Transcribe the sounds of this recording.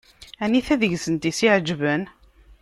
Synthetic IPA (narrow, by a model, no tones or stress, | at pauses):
æniθæðəʝsənt̪isiʕd͡ʒvən